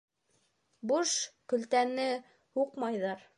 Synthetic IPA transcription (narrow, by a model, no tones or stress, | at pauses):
buʃkɵ̆lt̪ænɘ | huqmɑjðɑɾ